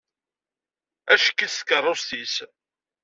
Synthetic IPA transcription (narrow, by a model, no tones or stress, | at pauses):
æʃəkːiθkːərˤːosθis